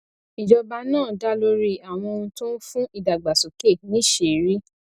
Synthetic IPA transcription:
i˨d͡ʒɔ˧ba˧nãː˦˨da˦lo˦ɾi˦a˨w̃ɔ̃˧ũ˧tõ˦fũ˦i˦˨da˨ɡ͡ba˨so˨ke˦˨nĩ˦ʃe˨˦˨ɾi˦

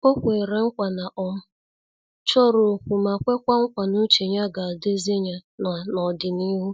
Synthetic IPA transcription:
o˦kʷe˨ɾe˨˦ŋ̩˦kʷa˨na˨ʔɔ˦˨mʊ˦ | t͡ʃɔ˦ɾo˨kʷu˨ma˨kʷe˦kʷa˦ŋ̩˦kʷa˨nu˦t͡ʃe˨ɲa˦ɡa˨a˨de˦ze˦ɲa˦na˨nɔ˨dɪ˨ni˦ɦu˦

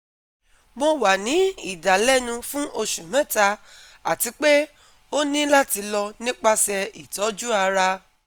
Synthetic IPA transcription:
mo˧wa˨nĩ˨˦i˦˨da˨lɛ˦˨nũ˧fũ˦ʔo˧ʃũ˨mɛ̃˦˨ta˧ | a˨ti˨˧˦k͡pe˦ | o˦nĩ˦la˦ti˧lɔ˧nĩ˦k͡pa˦sɛ˧i˨tɔ˨˦d͡ʒu˦a˧ɾa˧

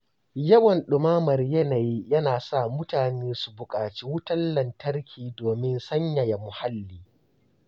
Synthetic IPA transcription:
jɐ˦wɐ˨nɗʊ˨maː˦mɐ˨rjɐ˦na˨ji˦jɐ˦naː˨sa˦˨mʊ˦taː˨neː˦su˨bʊ˨kʼaː˨t͡ʃiː˦wʊ˦tɐ˦lːɐ˨ntɐ˦rkʲʰiː˨doː˨mɪ˦nsɐ˦ɲjɐ˨ja˨mʊ˨ha˦lːiː˦

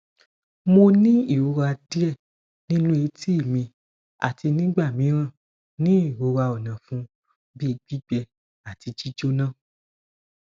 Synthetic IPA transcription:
mo˧nĩ˦i˦˨wo˧ɾa˧di˦ɛ˦˨ | nĩ˦nũ˦e˨˧˦ti˦i˦˨mĩ˧ | a̰˨ti˧nĩ˦ɡ͡ba˦˨mĩ˨˦ɾ̃ã˦˨ | nĩ˦i˦˨wo˨˦ɾa˧o˨nã˨fũ˧˦ | bi˦˧˦ɡ͡bi˦ɡ͡bɛ˧ | a˨ti˧t͡ʃi˦d͡ʒo˦nã˦˨

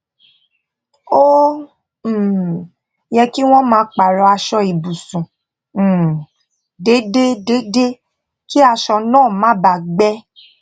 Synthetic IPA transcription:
o˦˨ | jɛ˧ki˦w̃ɔ̃˦mãː˧˦k͡pa˨ɾɔ˧a˧ʃɔ˧i˨bu˨sũ˨ | de˨˦de˦de˨˦de˦ | ki˦a˧ʃɔ˧nãː˦˨mã˦ba˨ɡ͡bɛ˦

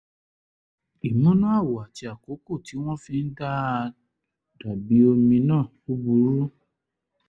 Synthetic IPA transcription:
i˨mũ˦nũ˦a˦˨wa˨ti˨˦a˨ko˨˦ko˦˨ti˨˦w̃ɔ̃˦fĩ˦n̩˦da˦˧ | d̥a˨bi˨˦o˧mĩ˧nãː˦˨ | u˦bu˧˦ɾu˦

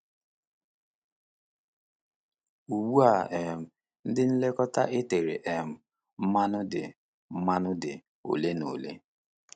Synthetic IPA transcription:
u˨ɡ͡bu˦a˨e˨m̩˨ | n̩˦dɪ˦n̩˦le˦kɔ˦ta˦ʔe˦te˨ɾḛ˨ʔe˨m̩˨ | m̩˦ma˦nʊ˦dɪ̰˨ | m̩˦ma˦nʊ˦dɪ̰˨ | o̰˨le˦no̰˨lḛ˦

